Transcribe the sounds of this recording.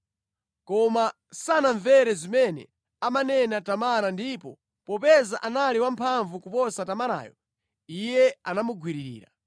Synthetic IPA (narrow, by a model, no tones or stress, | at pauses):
kɔma | sanaɱvɛɾɛzimɛnɛ̰ | amanɛnatamaɾandipɔ | pɔpɛzaʔanaliwampʰaɱvukupɔsatamaɾa̰ːjɔ̰ | ijɛanamuɡwiɾiɾḭːɾa̰